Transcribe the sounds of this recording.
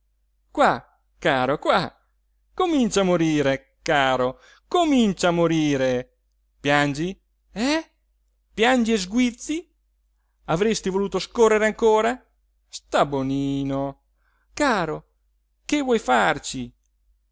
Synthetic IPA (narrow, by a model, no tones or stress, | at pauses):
kwa | kaːɾokwa | komint͡ʃamoɾiːɾe | kaːɾo | komint͡ʃamoɾiːɾe | pjand͡ʒi | ɛ | pjand͡ʒiezɡwit̪sːi | avɾest̪ivoluːt̪oskorːeɾeaŋkoːɾa | st̪aboniːno | kaːɾo | kevwɔjfart͡ʃi